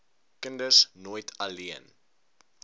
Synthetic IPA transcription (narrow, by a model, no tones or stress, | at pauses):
kəndəsnoːjtʰɐliən